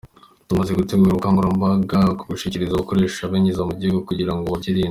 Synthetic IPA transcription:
tumazeɡuteɡuɾukaŋɡuɾambaɡako̥ɡuʃiciɾizaβuko̞ɾe̞ːʃaβeɲizamubɟiɡokuɟiɾaŋɡoβabɟiɾiːn

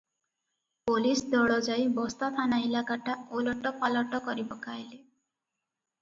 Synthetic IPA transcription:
polisd̪ɔɽɔd͡ʒajbɔst̪at̪ʰanaɦilakaʈʰaolɔʈɔpalɔʈɔkɔɾibɔkajle

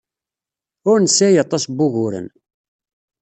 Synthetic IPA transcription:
ʊɾnəsːæjɑt̪ˤːɑsbʊʝʊɾə̰n

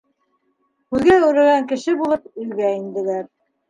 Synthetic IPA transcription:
hʉðɡæʉɾɘ̆ɣæŋkɘ̆ʃɘbulˠɤp̚ɵ̆j̪ɡæind̪ɘ̆læɾ

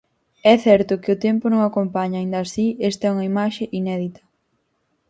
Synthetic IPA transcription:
ɛθɛɾt̪ʊkɪʊt̪ɛmpʊnõŋakompaɲaind̪aːsiest̪ɛuŋɐimaʃeʔinɛðit̪ɐ̥

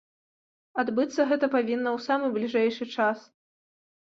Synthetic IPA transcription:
ad̪bɨt̪sːɐɣɛt̪ɐpavʲinːɐwsamɨblʲiʐɛjʂɨt͡ʂas

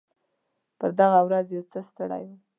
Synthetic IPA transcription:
pəɾd̪aɣawɾazjawt͡səst̪əɽa̰ju

